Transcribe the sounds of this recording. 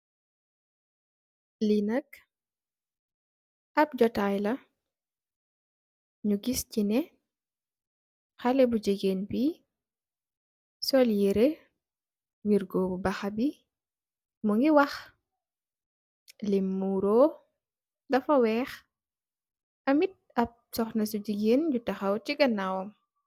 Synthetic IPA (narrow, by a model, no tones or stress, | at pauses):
linɐk̚ | ɐp̚ɟɔtajlɐ | ɲuɡiscinɛ | xalɛbud͡ʒeɡenbi | sɔljɛɾe | wiɾɡɔbubɐxabi | muŋɡiwɐx | limːuɾɔː | dɐfɐwɛːx | ɐmit̚ɐp̚sɔxnɐsuɟiɡeːnɟutɐxɐwtiɡɐnawɔm